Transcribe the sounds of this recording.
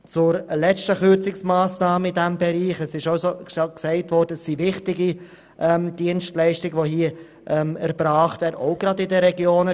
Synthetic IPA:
t͡sʊɾlɛt͡stəχʏɾt͡sɪksmaːsnɑːməɪdæmbɛɾiːχɛsɪʃaʊsoksɛɪtvɔɾd̥əɛsːivɪχtɪɡi | ʔɛmd̥iənstlɛɪʃtɪɡʋoɦiə | ʔɛmæɾb̥ɾaːχtvɛːɾdoʊɡ̥ɾɑdɪdəɾɛɡjoːnə

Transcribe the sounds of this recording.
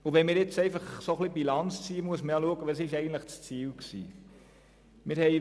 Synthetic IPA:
ʊʋɛnmɪːɾjɪt͡sɛɪfɑχsoχlibilɑnt͡st͡siːəmuəsməɾjɑluəɡəʋɑsɪʃɛɪɡən̩tləχt͡st͡siːlksḭː | mɪːɾhɛɪ

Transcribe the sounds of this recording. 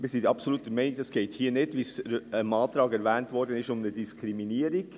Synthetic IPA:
miːsɪndɑpsoluːtəmɛɪnɪɡ̚d̥ɑsɡ̥eːthiːənedvisəmɑːltɾɑːɡɛɾvɛːntvɔɾdənɪʃʊmnədiskʰɾiminiːəɾɪɡ̥

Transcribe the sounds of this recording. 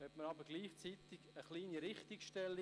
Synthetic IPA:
hɛtməɾɑbəɾɡliːχt͡sit̪ɪɡ̥əχliːniɾɪχt̪ikʃtɛlːi

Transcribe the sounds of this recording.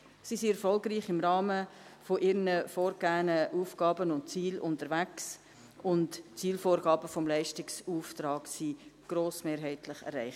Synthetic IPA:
sisiɛɾfɔlɡɾiːχɪmɾɑːməfoʔɪɾnəfoːɾɡ̥æːnəʔuːfɡ̥ɑːbənʊntt͡siːlʊntəɾvæks | ʊntt͡siːlfoːɾɡɑːbəfɔmlæɪʃtɪksuːftɾɑːɡsiɡ̥ɾoːsmeːɾɦɛɪtlɪχɛ̰ɾrɛɪχt

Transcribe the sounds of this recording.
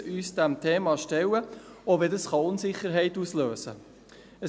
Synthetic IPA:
yːsd̥̪æmt̪ʰeːmɑʃtɛwəoʋedəsχɑʊnsɪχːəɾɦɛɪtusløːsə̰ | ə

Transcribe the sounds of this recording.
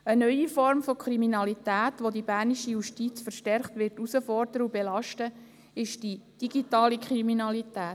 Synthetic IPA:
ənœʏifɔɾmfɔkʰɾiminɑlitæːtʋodibæɾniʃijuʃtit͡sfəɾʃtɛɾχtʋɪɾtusəfɔrdəɾəubelɑʃtə | ɪʃd̥id̥iɡitɑːlikʰɾiminɑlitæːt

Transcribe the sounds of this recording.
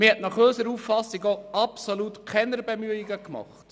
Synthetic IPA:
mɪhɛtnɑχøːsəɾuːfːɑsiɡoɑpsolutkʰɛnəɾbemyəiɡəkmɑ̰χt

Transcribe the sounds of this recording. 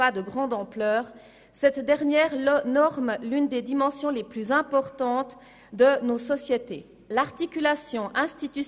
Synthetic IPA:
ad̪əɡʁɑ̃d̪ɑ̃plœːʁ | sɛt̪d̪ɛʁnjɛːʁlnɔʁmlynd̪ed̪imɑ̃sjɔ̃leplyzɛ̃pɔʁt̪ɑ̃t̪ | d̪ənosɔsjet̪e | laʁt̪ikʲylasjɔ̃ʔɛ̃st̪it̪y

